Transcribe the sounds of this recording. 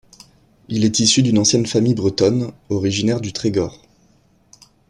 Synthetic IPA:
ilɛt̪isyd̪ynɑ̃sjɛnfamijbʁət̪ɔnɔʁiʒinɛʁd̪yt̪χeɡɔʁ

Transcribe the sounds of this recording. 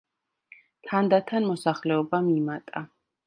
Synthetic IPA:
t̪ʰand̪at̪ʰanmɔsaχlɛɔbamimat̪ʼa

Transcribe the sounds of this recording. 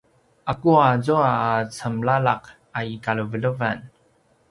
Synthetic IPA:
ʔakuazuaːt͡səmlalaq | aikaɭuvələvan

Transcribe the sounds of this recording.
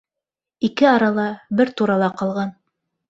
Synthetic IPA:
ikɘɑɾɑlˠɑbɘɾt̪uɾɑlˠɑqɑlˠʁɑn

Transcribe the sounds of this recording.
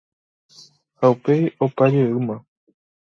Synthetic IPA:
haupe̞opad͡ʒeɨmã

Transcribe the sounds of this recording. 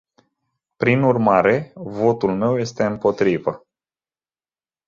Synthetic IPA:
pɾinurmaɾe̞vo̞t̪ulme̞wje̞st̪e̞ɨmpo̞t̪ɾivə

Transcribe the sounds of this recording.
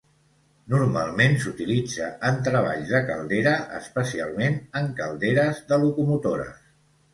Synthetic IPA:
nuɾma̰lˠmensut̪ilid͡zəʔənt̪ɾəβ̞a̰ʎzðəkə̰lˠd̪eɾəə̰spəsia̰lˠmenəŋkəlˠd̪eɾəzðəlukumut̪oɾə̰s

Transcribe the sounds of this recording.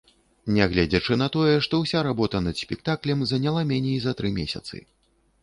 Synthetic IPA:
nʲɛɣlʲad͡zʲɐt͡ʂɨnɐt̪ɔjɛʂt̪ɔwsʲaɾabɔt̪ɐnɐd̪sʲpʲɛk̚t̪aklʲɛmzɐnʲalˠamʲɛnʲɛjzɐt̪ɾɨmʲesʲɐ̰t̪sɨ̰

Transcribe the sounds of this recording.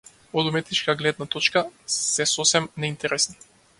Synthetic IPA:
ɔd̪umɛt̪it͡ʃkaɡlɛd̪nat̪ɔt͡ʃkasɛsɔsɛmnɛint̪ɛɾɛsni̥

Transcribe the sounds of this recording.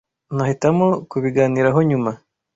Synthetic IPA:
nahitamokuβiɡaːniːɾaɦo̞ɲuma

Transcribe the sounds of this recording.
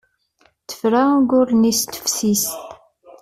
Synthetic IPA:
θə̥fɾaɡʊɾnist̪ə̥fsist̪

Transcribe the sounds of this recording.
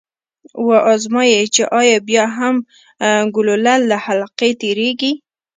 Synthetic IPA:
waʔɑzmɑjet͡ʃeʔɑjɑbjɑɦam | ɡʊlolalːahalqet̪eɾeɡi

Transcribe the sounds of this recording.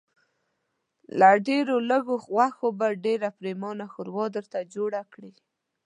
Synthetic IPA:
laɖeɾoləɡowaxobaɖeɾapɾemɑnaxʊɾwɑd̪əɾt̪ad͡ʒoɽakɽi

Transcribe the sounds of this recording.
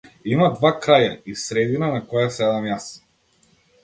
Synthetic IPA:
imad̪vakɾajaisɾɛd̪inanakɔjasɛd̪amjas

